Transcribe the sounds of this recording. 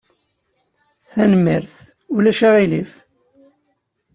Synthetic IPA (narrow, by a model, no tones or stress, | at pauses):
θænəmːiɾθ | ulæʃaʁilif